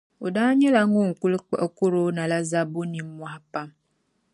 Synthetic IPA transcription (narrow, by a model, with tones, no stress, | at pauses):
o˨daː˦ɲɛ˦la˨˦ŋõ˦ŋ̩˨ku˦lk͡pa˦ko˦ɾo˨˦nã˨la˦za˦bo˦nĩ˨m˦mwa˦˨a˦pa˦m